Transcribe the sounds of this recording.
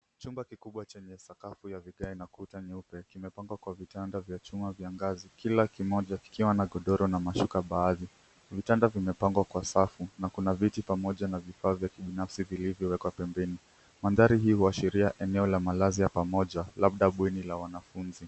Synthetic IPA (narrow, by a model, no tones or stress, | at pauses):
t͡ʃumbakikuɓwat͡ʃɛɲɛsakafujaviɠainakutaɲɛupɛkimɛpaŋɡwakwavitandavjat͡ʃumavjaŋɡazikilakimɔʄaki̥kiwanaɠɔɗɔɾɔnamaʃukaɓaːði | vitandavimɛpaŋɡwakwasafunakunavitipamɔʄanavifaːvjakiɓinafsivilivjɔwɛkwapɛmbɛni | manðaɾiɦihuaʃiɾiaʔɛnɛɔlamalazijapamɔʄalaɓ̚ɗaɓwɛnilawanafunzi